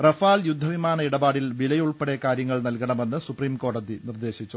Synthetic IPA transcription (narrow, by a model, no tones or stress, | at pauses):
rɐfaːljud̪ʱːɐʋimaːnɐiɽɐbaːɽilʋilɐjuɭpeɽekaːɾjɐŋːɐɭnɐlkɐɳɐmenːɨsupriːmko̞ːɽɐðinird̪e̞ːɕit͡ɕːu